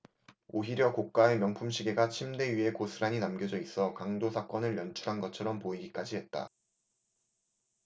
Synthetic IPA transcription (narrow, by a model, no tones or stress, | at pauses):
oɦiɾjʌkok̚k͈ae̞mjʌŋpʰumɕʰiɡe̞ɡat͡ɕʰimde̞ɥiɦe̞kosʰɯɾaɲinamɡjʌd͡ʑʌis͈ʌkaŋdosʰak͈ʌnɯɭmjʌnt͡ɕʰuɾɦanɡʌt͡ɕʰʌɾʌmpoiɡik͈ad͡ʑiɦe̞t̚t͈a̰